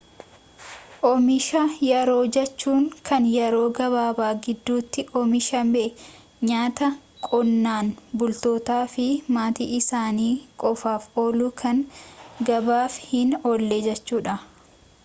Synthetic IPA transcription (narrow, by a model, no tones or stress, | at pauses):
ʔɔmɪʃɐjɛɾo̞ːd͡ʒɛt͡ʃːuːŋkʰɐnjɛɾo̞ːɡɐβaːbaːɡɪd̪ːuːt̪ːɪʔɔmɪʃɐmɛʔ | ɲaːt̪ɐkʼɔnːaːnbʊlt̪oːt̪aːfɪmaːt̪ḭːʔɪsaːniːkʼɔfaːfoːluːkʰɐŋɡɐbaːfhɪnoːlːeːd͡ʒɛt͡ʃːuːᶑɐ